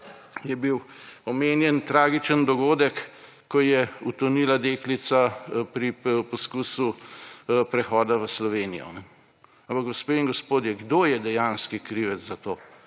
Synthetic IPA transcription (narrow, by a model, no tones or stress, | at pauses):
jɛbiwɔmeːnjɛnt̪ɾaːɡit͡ʃənd̪ɔɡoːd̪əkː | ɔjɛut̪ɔnilad̪eːklit̪sapɾipɔskusu | pɾɛxɔːd̪aʋəslɔʋeːnijɔ̰n | ampakɡɔspeːiŋɡɔspoːd̪jɛɡd̪oːjɛd̪ɛjanskikɾiʋɛzat̪oː